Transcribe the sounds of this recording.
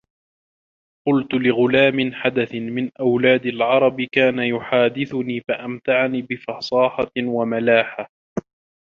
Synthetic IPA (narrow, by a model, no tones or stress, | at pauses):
qʊlt̪ʊlɪɣʊlaːmɪnħad̪aθɪmɪnʔawlaːd̪alʕɑɾˤɑbkaːnajʊħaːd̪ɪθʊniːfaʔamt̪aʕniːbɪfɑsˤɑːħɑwamalaːħa